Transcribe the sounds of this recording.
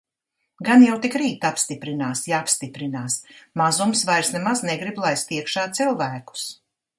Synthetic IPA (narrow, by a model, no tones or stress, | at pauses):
ɡanjawt̪ikɾiːt̪apst̪ipɾinaːsjaapst̪ipɾinaːsmazumsvajɾsnɛmaznɛɡɾiblˠajst̪iɛkʃaːt̪silˠvæːku̥s